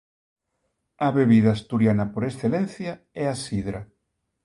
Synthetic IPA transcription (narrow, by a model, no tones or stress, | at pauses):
ɐβeβiðaːst̪uɾjanɐpoɾesθelɛ̃nθja | ɛasiðɾa